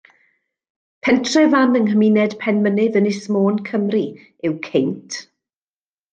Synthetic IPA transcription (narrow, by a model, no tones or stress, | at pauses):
pʰɛntʰrɛvanənɦəminɛd̥pʰɛnmənɪðənɪsmoːnkʰəmri | ɪwkʰejntʰ